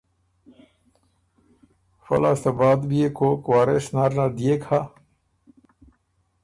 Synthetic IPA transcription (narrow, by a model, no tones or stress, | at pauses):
fɐ̰last̪abaːd̪bijekʰoːkwaːɾesnaɾnad̪ijekha